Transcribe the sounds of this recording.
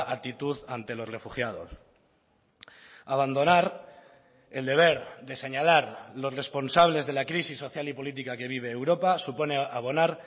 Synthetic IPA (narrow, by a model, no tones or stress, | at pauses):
ʔat̪it̪uðant̪e̞lo̞sre̞fuxjað̞o̞̰s | aβ̞and̪o̞naɾ | eld̪e̞β̞e̞ɾðe̞se̞ɲalaɾlo̞sre̞spo̞nsaβ̞le̞zðe̞lakɾisisːo̞θjalipo̞lit̪̬ikake̞β̞iβ̞e̞ːwɾo̞pasupo̞ne̞aβ̞o̞naɾ